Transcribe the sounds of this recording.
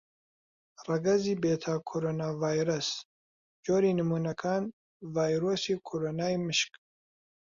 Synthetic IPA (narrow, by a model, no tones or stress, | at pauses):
ɾaɡazibet̪ʰakʰoɾonavajɾas | d͡ʒoːɾinəmunakʰan | vajɾosikʰoɾonaiməʃk